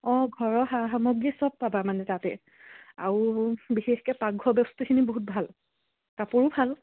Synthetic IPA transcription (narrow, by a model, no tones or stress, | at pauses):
ɔ̃ɡʱɔɹɔɦaɦamɔɡisɔb̚pabamanɛtatɛ | a̰ɹubixexkɛpaɡʱɔbɛstikʰiniboɦut̚bʱal | kapʊɹʊbʱal